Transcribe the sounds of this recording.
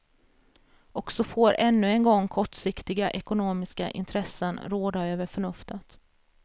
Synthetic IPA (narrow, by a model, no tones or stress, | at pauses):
ɔksɔfoːɾʔɛnːɵɛnɡɔŋːkʰɔʈʂɪkt̪ɪɡaʔɛkʊnoːmɪska̰ʔɪ̰nt̪ʰɾɛsːənɾoːd̪aøːvəɾfœɳɵft̪ət̪